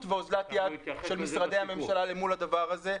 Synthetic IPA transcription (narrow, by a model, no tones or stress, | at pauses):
tveozlat̪jad̪ʃe̞lmisʁad̪e̞jhame̞mʃalalemulad̪avaʁaze̞